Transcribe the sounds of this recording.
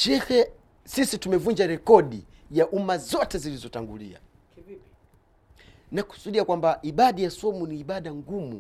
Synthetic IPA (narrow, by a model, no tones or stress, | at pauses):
ʃɛhɛ | sisitumɛvund͡ʒaɾɛkɔɗi | jaʔumazɔtɛzilizɔtaŋɡulḭa̰ | naku̥suɗiakwambaʔiɓaɗajasɔmuniːɓaɗaŋɡumṵ